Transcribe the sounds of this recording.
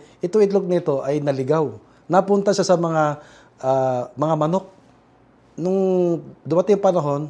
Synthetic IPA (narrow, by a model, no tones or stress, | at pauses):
ʔɪt̪oŋɪt̪lok̚nɪt̪o̞ʔɐjnɐlɪɡaw | nɐpʊnt̪ɐʃasɐmɐŋa | ʔamɐŋamɐno̞k̚ | nʊŋd̪ʊmɐt̪ɪŋpɐnɐɦo̞n